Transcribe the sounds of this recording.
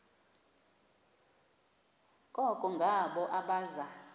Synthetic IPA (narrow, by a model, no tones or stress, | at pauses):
kʼɔkʼɔŋɡʱaɓɔʔaɓaːza